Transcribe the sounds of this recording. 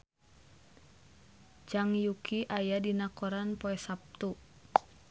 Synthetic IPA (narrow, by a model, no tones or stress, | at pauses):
d͡ʒaŋjukʰiʔajadinakoɾanpoɛsap̚t̪u